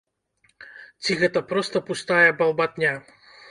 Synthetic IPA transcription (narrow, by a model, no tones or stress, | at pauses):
t͡sʲiɣɛt̪ɐpɾɔst̪ɐpust̪ajɛbɐlˠbat̪nʲa